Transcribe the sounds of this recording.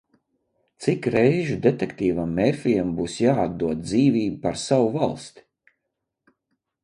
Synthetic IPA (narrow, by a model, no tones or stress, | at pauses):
t̪sikɾɛjʒud̪et̪ekt̪iːvamːɛɾfʲijɛmbuːsjaːad̪̚d̪uɔt̪̚d̪ziːviːbupaɾsawuvalˠst̪i̥